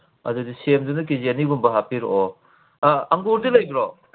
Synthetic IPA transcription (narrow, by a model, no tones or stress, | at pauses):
ɐ̰dudisemdunɐkizianiɡumbɐɦapiɾo | ɐŋɡoɾdilɐjɡɾo